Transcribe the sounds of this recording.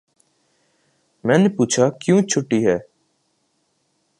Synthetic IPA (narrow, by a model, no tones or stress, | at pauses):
mɛ̃ːnepuːt͡ʃʰaːkjũːt͡ʃʰʊʈːiːɦɛː